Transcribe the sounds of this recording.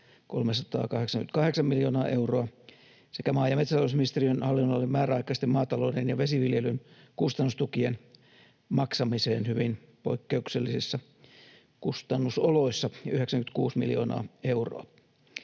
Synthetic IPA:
ko̰lmesɑt̪ɑ̰ːkɑheksɑŋkynt̪̚kɑheksɑmmiljoːnɑːʔeuroɑ | sekæmɑːjɑmet̪sæt̪ɑˑlousminist̪eriønhɑlːinːolːemmæːræɑikˑɑist̪emmɑːt̪ɑloːdenjɑʋesiʋiljelynkust̪ɑnːust̪ukien | mɑksɑmiseːnhyʋin | poikːeukselːisisːɑ | kust̪ɑnːusoloisːɑjyheksæŋkynt̪kuːsmḭljo̰ːnɑ̰ːeuro̰ɑ

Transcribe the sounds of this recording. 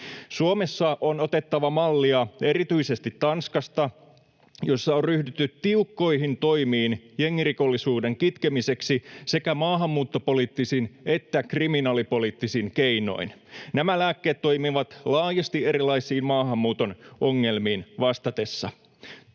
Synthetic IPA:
suome̞sːɑʔono̞t̪e̞t̪ːɑʋɑmɑlːiɑe̞ɾit̪yise̞st̪it̪ːɑnskɑst̪ɑ | jo̞sːɑorryhdyt̪ːyt̪t̪iukːo̞jɦint̪o̞jmiːnjeŋːiriko̞lːisuːde̞ŋkit̪kemise̞ksisekæmɑːɦɑmːuːt̪ːo̞po̞liːt̪ːisine̞t̪ːækriminɑːlipo̞lit̪ːisinke̞jno̞̰innæmælæːkːe̞ːt̪t̪ːo̞jmiʋɑt̪lɑːjɑst̪iʔe̞ɾilɑijsiːnmɑːɦɑmːuːt̪o̞nʔo̞ŋːe̞lmiːnʋɑst̪ɑt̪e̞sːɑ̰

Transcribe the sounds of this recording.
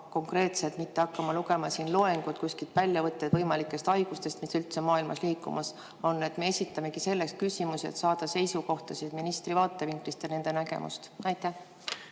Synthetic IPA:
ko̞ŋkre̞ːt̪set̪mit̪ːe̞ɑkːɑmɑluɡe̞mɑsiːnloe̞ŋɡ̥ut̪kusʲkit̪vælʲjɑvɤt̪ːˑed̪vɤjmɑlikːˑe̞st̪ɑjɡ̥ust̪e̞st̪misylt̪se̞mɑːilmɑ̰sliːkˑːṵmʔɑs | o̞nːe̞t̪me̞esʲit̪ːˑɑme̞ɡ̥ise̞lːeks̚kysʲimusiet̪sɑːd̪̥ɑse̞jsuko̞ht̪ɑsid̪̥minist̪rivɑːt̪ˑːe̞viŋklist̪jɑne̞nd̪̥e̞næɡ̥e̞̰mʔṵst̪ɑjt̪ːæh

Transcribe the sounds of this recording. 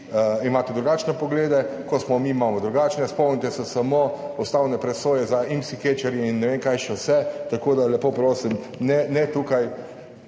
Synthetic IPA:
imaːt̪ɛd̪ɾuɡaːt͡ʃnɛpɔɡleːd̪ɛkɔsmɔmimaːmɔd̪ɾuɡaːt͡ʃnɛspɔwmnʲit̪ɛsɛsamopɔst̪aːwnɛpɾɛsoːjɛzaimsiket͡ʃɛɾjiinːɛʋeːŋkajʃɛwsɛt̪akoːd̪alɛpoːpɾoːsim | nɛnɛt̪ukaj

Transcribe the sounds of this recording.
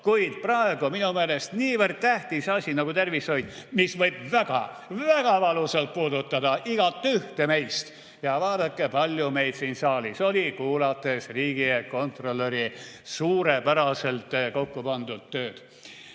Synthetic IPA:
kuid̪̥prɑe̞ɡ̥ominumeːlest̪niːvərd̪̥̚t̪æht̪isɑsʲinɑɡut̪e̞rviso̞jd̪̥misvɤjbvæɡ̥ɑ̰væɡ̥ɑvɑluselt̪̚puːd̪ut̪ːˑɑd̪ɑʔiɡ̥ɑt̪ːˑyht̪eme̞jst̪ | jɑvɑːd̪ɑkːˑepɑlʲjume̞jd̪̥siːnsɑːliso̞lʲikuːlɑt̪ːˑe̞sriːɡ̥ieko̞nt̪ro̞lːeɾisuːɾepæɾɑse̞lt̪ko̞kːupɑnd̪̥ud̪̥̚t̪ːøːd̪̥

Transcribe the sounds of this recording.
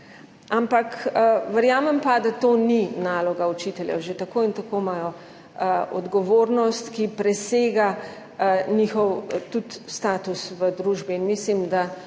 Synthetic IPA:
ampakʋəɾjaːmɛmpad̪at̪oːninaːlɔɡaut͡ʃit̪ɛljɛ̰wʒet̪akoːint̪akomajɔ | ɔ̰d̪ɡɔʋoːɾnɔst̪kipɾɛseːɡa | nixɔwt̪ut̪st̪aːt̪usʋəd̪ɾuːʒbiːnmislimd̪a

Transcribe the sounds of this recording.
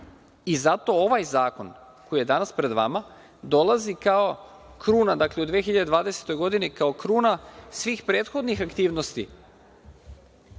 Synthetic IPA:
izat̪o̞o̞ʋajzaːko̞n | ko̞jije̞d̪anaspɾe̞d̪ʋa̰ma | d̪o̞lˠazikao̞ | kɾuːnad̪akle̞ud̪ʋiexiʎad̪eʋaːd̪e̞se̥t̪o̞jɡo̞d̪inikao̞kɾuːnasʋiːxpɾe̞ːt̪xo̞d̪nixakt̪iːʋno̞st̪ḭ

